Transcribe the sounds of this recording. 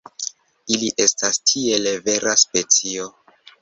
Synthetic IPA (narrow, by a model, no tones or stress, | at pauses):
iliʔe̞stastʰie̞leve̞ɾʔaspe̞t͡sio̞